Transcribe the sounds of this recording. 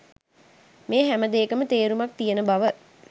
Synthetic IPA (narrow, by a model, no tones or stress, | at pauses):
meːɦæməd̪eːkəmət̪eːɾumak̚t̪ijənəbaʋə